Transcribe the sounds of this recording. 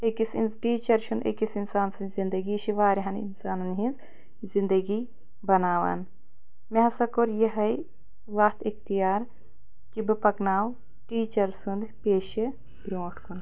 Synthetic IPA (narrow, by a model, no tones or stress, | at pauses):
ekisinʈiːt͡ʃɐɾʃund̪ɐ̰kisinsaːnsɨnzind̪ɐɡiʃiʋaːɾiɦɐnḭnsaːnɐnɦĩnz | zind̪ɐɡi | bɐnaːʋɐ̰ːn | meɦɐsɐkoɾjɐɦɐj | ʋɐht̪ikt̪ijaːɾ | kibɨpɐknaːw | ʈiːt͡ʃɐɾsund̪peːʃi | bɾoːʈkun